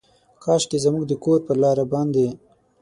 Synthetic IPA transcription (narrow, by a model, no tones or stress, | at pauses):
kɑːʃʈezamuɡ̚d̪əkoɾpəlɑːɾabɑːnd̪e